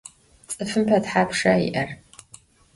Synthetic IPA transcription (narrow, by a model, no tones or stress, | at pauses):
t͡sʼɨfɨmpʰɐdħaːpʂaḭʔɐr